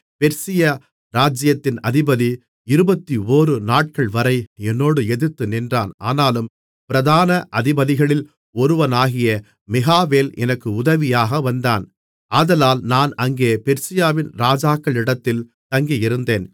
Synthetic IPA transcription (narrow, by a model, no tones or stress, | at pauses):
pɛɾsɪjɐ | ɾaːd͡ʒɪjɐt̪ːɪnɐðɪbɐði | ɪɾɯbɐt̪ːioːɾɯnaːʈ̚kɐɭʋɐɾɐɪɛnːoːɽɯɛðɯt̪ːɯnɪndra̰ːna̰ːnaːlɯm | pɪɾɐðaːnɐʔɐðɪbɐðɪɣɐɭɪl | ɔɾɯʋɐnaːɣɪjɐ | mɪɣaːʋeːlɛ̰nɐkːɯʊðɐʋɪjaːɣɐʋɐnd̪aːn | aːðɐlaːlnaːnɐŋɡeːpɛɾsɪjaːʋɪnɾaːd͡ʒaːkːɐɭɪɽɐt̪ːɪl | t̪ɐŋɡijɪɾɯnd̪eːn